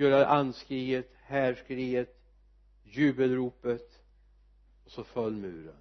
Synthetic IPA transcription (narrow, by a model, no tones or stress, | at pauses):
œːɾaʔanskɾiːət̪hæːʂkɾiːət̪ | jʉ̟ːbəlɾuːpət̪ | ɔsɔfœlːmʉ̟̰ːɾə̰n